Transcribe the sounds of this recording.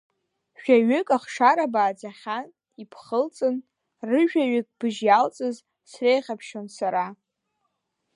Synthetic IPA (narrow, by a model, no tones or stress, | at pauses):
ʃᶣaɥʏkʼaχʂaɾabaːd͡zaχʲan | ipʰχəlt͡sʼɨn | rɨʒᶣaɥʏkʼb̥ɨʒjalt͡sʼɨz | srejʁʲapʰʃonsaɾa